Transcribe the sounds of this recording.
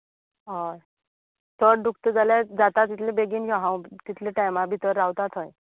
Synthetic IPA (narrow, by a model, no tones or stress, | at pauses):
ɦoj | səɽɖuk̚t̪əd͡zalad͡zat̪at̪ːit̪ʰlẽbeɡiːnd͡ʑɔɦãwt̪it̪ʰleʈajmabʱit̪əɾːawt̪at̪ɦoj